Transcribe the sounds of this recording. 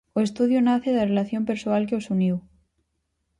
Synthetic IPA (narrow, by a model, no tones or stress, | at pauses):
oest̪uðjonaθeðarelaθjompeɾsoalkeosuniw